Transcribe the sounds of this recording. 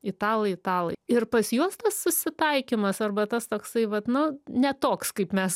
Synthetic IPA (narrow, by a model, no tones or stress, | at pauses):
ɪt̪ɑːlˠɐɪt̪ɑːlˠɐ̰ɪɪrpɐsjuɔst̪ɐssʊsʲɪt̪ɐɪkʲɪmɐsɐrbɐt̪ɐst̪oːksɐɪʋɐt̪nʊnʲɛt̪oːkskɐɪpmʲɛs